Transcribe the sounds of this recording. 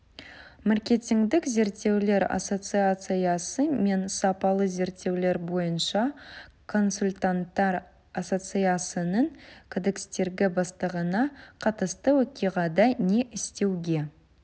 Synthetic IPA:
mɑrkʲe̞t̪ʲiŋɡd̪ɪkze̞ɾt̪ːe̞wle̞ɾa̰so̞t̪sɨat̪sɨjasəme̞nsɑpɑlˠəze̞ɾt̪ːe̞wle̞ɾbo̞jənʃɑkʰo̞nsulʲt̪ant̪ːɑɾ | aso̞t̪sɨjasənəɴkʰod̪ekst̪e̞ɾɡʲɪbɑst̪əʁənɑqʰɑt̪əst̪əwɵkʲijʁɑd̪ɑne̞ʔɪst̪e̞wɡʲe̞

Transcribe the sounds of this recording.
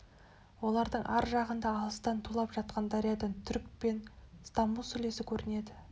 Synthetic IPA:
wo̞lˠɑɾd̪əɴʔæɾʒɑʁənd̪ɑːlˠəst̪ɑnt̪ʰulˠɑpʒɑt̪̚qɑnd̪ɑɾijɑd̪əɴt̪ʰʏɾk̚pe̞nst̪ɑmbusɵle̞sɪkʲʰɵɾɪne̞d̪ɪ

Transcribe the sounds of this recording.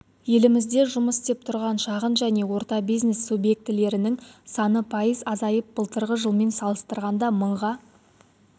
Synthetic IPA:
je̞lɪmɪzd̪e̞ʒʊməst̪ep̚t̪ʰʊɾʁɑnʃɑʁənʒæne̞wo̞ɾt̪ɑbijzne̞sːubje̞k̚t̪ɪle̞ɾɪnɪŋsɑnəpʰɑjəzɑzɑjəp̚b̥əlˠt̪əɾʁəʒəlˠme̞nsɑlˠəst̪əɾʁɑnd̪ɑməɴʁɑ

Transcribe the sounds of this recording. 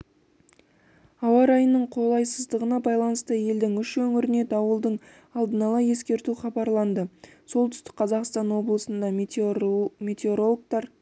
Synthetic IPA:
ɑwɑɾɑjənːəɴqʰo̞lˠɑjsəzd̪əʁənɑbɑjlˠɑnəst̪əje̞ld̪ɪŋʏʃwɵŋɪɾɪne̞t̪ɑwəlˠd̪əɴ | ɑlˠd̪ənɑlˠɑje̞skʲe̞ɾt̪uχɑbɑɾlˠɑnd̪əso̞lˠt̪ʏ̥st̪ɪ̥k̚qʰɑzɑqst̪ɑnwo̞blˠəsənd̪ɑ | me̞t̪eo̞ɾo̞lˠk̚t̪ɑɾ

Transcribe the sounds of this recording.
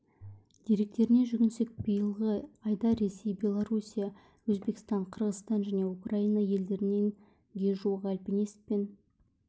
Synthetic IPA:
d̪̥eɾe̞k̚t̪e̞ɾɪne̞ʒʏɡʲɪnse̞k̚bəjəlˠʁəɑjd̪ɑɾe̞se̞jbʲe̞lˠoɾusʲija | wɵzbe̞kʲɪ̥st̪ɑɴqʰəɾʁəzt̪ɑnʒæne̞ukrainɑje̞ld̪e̞ɾɪne̞ŋ | ɡʲe̞ʒuʁælpene̞spen

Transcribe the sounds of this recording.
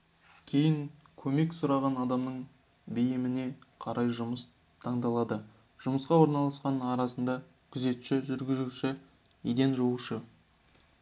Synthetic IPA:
kʲʰe̞jɪŋ | kʲʰɵme̞ksʊɾɑʁɑnɑd̪ɑmnəɴ | bejɪmɪne̞qʰɑɾʔɑjʒʊməs | t̪ʰɑɴd̪ɑlˠɑd̪ə | ʒ̥ʊməsqɑwo̞ɾnɑlˠɑsqɑnɑɾɑsənd̪ɑ | kʲʰʏze̞t̪ʃɪʒʏɾɡʲɪzuʃɪ | ed̪e̞nʒowəʃə

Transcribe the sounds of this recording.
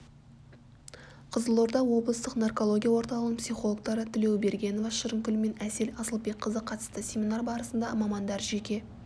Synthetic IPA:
qʰəzəlˠo̞ɾd̪ɑwo̞blˠəst̪əqnarko̞lˠo̞ɡʲijawo̞ɾt̪ɑlˠəʁəpsijχo̞lˠok̚t̪ɑɾət̪ʰɪle̞wbe̞ɾɡʲe̞no̞vɑʃəɾəŋkʲʏlɪme̞næse̞lɑsəlˠbekqʰːəzəqʰɑt̪ə̥st̪əsʲe̞mʲinarbɑɾəsənd̪ɑmɑmɑnd̪ɑɾʒe̞kʲe̞

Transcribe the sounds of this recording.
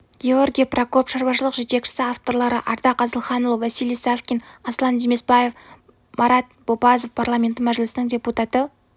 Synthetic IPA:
ɡʲeo̞rɡʲijaprʔoko̞pʃɑɾbɑʃəlˠəqʒe̞t̪e̞kʃɪ̥sɪaft̪o̞rlˠɑɾəʔɑɾd̪ɑqɑzəlˠχɑnulˠəvæsijlijsafkʲinɑslˠɑnd̪eme̞sbɑje̞f | mɑɾɑt̪̚b̥o̞bɑzo̞fpʰarlˠamʲe̞nt̪ɪmæʒɪlɪsɪnɪŋdʲe̞put̪ɑt̪ə

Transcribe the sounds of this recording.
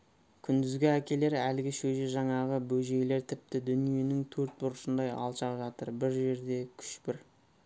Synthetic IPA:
kʲʰʏnd̪ɪzɡʲɪækʲe̞le̞ɾælɪɡʲɪʃɵʒeʒɑɴɑʁəbɵʒe̞jle̞ɾt̪ʰɪp̚t̪ɪd̪ʏnije̞nɪŋt̪ʰɵɾt̪̚bʊɾəʃənd̪ɑjɑ̰lˠʃɑqʒɑt̪əɾbɪɾʒe̞ɾd̪e̞kʲʰʏ̥ʃpɪɾ

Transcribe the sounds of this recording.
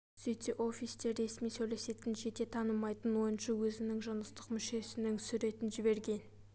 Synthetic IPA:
sijt̪eʔo̞fist̪e̞ɾe̞smijsɵjle̞se̞t̪ɪnʒe̞t̪e̞t̪ʰɑnəmɑjt̪ənwo̞jənʃɑwɵzɪnɪŋʒɑnəst̪əqmʏʃe̞sɪnɪŋsʏɾe̞t̪ɪnʒɪbe̞ɾɡʲe̞n

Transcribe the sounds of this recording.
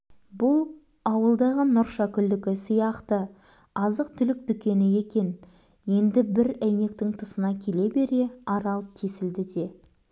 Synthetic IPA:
bʊlˠ | ɑwəlˠd̪ɑʁənʊɾʃɑkʲʰʏld̪ɪkʲɪsijɑqt̪ə | ɑzəqt̪ʰʏlɪk̚d̪ʏkʲe̞nɪje̞kʲe̞n | je̞nd̪ɪbɪɾæjne̞k̚t̪ɪŋt̪ʰʊsənɑkʲʰe̞le̞be̞ɾe̞ɑɾɑlˠt̪ʰe̞sɪld̪ɪd̪e̞

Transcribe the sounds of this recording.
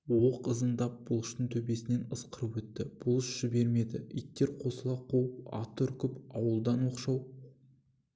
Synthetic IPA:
woqəzənd̪ɑp̚bʊlˠəʃt̪əɴt̪ʰɵbe̞sɪne̞nəsqəɾəpwɵt̪ːɪb̥ʊlˠəʃʒ̥ɪbe̞ɾme̞d̪ɪijt̪ːe̞ɾqʰo̞səlˠɑqʰowəpɑ̰t̪ɵɾkʲɪpɑwəlˠd̪ɑnwo̞qʃɑw

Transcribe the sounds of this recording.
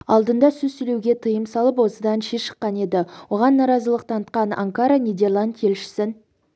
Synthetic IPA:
ɑlˠd̪ənd̪ɑsʏzsʏle̞wɡʲe̞t̪ʰəjəmsɑlˠəpwo̞səd̪ɑnʃeʃə̥qːɑne̞d̪ɪwo̞ʁɑnːɑɾɑzəlˠəq̚t̪ʰɑnət̪̚qɑna̰ŋkaɾanʲid̪e̞rlˠand̪jʰe̞lʃɪ̥sɪn

